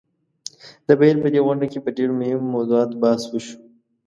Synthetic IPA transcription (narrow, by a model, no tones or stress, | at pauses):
d̪əbilpəd̪eɣʊɳɖakepəɖeɽmohɪmːozuɑːt̪bɑːswəʃu̥